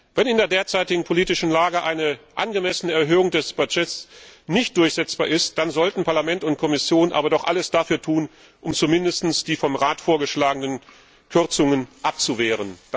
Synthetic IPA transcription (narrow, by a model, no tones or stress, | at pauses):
vɛnɪndeːɐdeːɐt͡saɪtɪɡŋ̩pʰoliːtɪʃn̩laːɡəʔaɪnəʔa̰nɡəmɛsənəɛɐɦøːʊŋdɛsb̥ad͡ʒɛtsnɪçt̚d̥ʊɐçz̥ɛt͡sb̥aːɐʔɪst̚d̥anzɔltn̩pʰaɐlamɛntʊnt̚kʰɔmɪsjoːnʔa̰ːbɐdɔχʔa̰ləsd̥afyːɐtʰuːn | ʔʊmt͡sumɪndəstn̩sd̥iːfɔmʁaːtfoːɐɡəʃlaːɡənən | kʰʏɐt͡sʊŋənʔap̚t͡suveːʁ̞ən